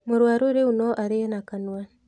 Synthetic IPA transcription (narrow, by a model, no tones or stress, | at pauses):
moɾwaːɾoɾeunɔʔaɾenakanwa